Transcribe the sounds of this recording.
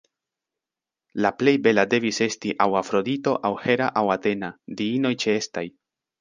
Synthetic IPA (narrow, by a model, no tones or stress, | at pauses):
laple̞jbe̞lade̞vise̞stiʔawafɾo̞dito̞ʔawhe̞ɾaʔawate̞nadiino̞jt͡ʃe̞estaj